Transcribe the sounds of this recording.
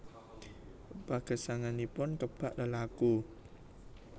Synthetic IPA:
paɡ̥ə̤saŋanipʊnkəb̥aʔləlaku

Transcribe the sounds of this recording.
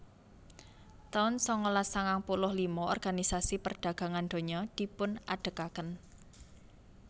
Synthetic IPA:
t̪aʊnsɔŋolasaŋaŋpulʊhlimɔɔrɡ̥anisasipərɖ̪̥ä̤ɡ̥a̤ŋand̪̥o̤ɲɔd̪̥i̤pʊnaɖ̥ə̤kakən

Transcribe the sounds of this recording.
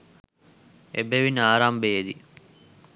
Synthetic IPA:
ḛbeʋinəaːɾambejed̪i

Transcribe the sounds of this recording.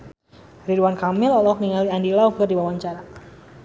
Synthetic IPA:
riduankamɪlɔlɔk̚niŋaliandilawkɨrdiwawaɲt͡ʃaɾa

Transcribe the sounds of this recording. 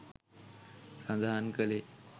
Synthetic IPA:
sə̃nd̪ʱaɦankəle

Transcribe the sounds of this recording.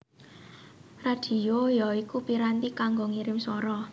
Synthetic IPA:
rad̪̥i̤ojɔikupiɾant̪ikaŋɡɔŋiɾɪmsɔɾɔ

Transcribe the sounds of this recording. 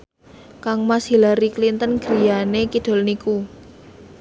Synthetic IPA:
kaŋmasilaɾiklint̪ənɡ̥ɾi̤janekid̪̥o̤lniku

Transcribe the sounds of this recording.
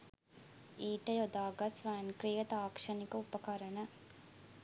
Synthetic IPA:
iːʈɐjod̪aːɡɐsʋæːnkɾijɐt̪aːkʂɐnikəupɐkɐɾɐnɐ

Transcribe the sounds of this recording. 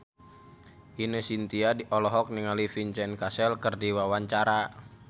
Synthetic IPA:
ʔinəsint̪iadiʔɔlɔɦɔk̚niŋalifiɲt͡ʃɛnkasɛlkərdiwawaɲt͡ʃaɾa

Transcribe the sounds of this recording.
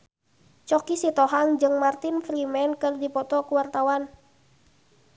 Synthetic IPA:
t͡ʃɔkisit̪ɔɦaŋd͡ʒɨŋmart̪ɪnfɾimɛnkɨrdipɔt̪ɔkuwart̪awan

